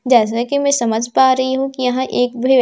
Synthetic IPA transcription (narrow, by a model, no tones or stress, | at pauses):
d͡ʒɛːs̬akimɛ̃ːsɐməd͡ʒʱpaːɾɐɦiɦũkijɐɦãʔeːkbʱi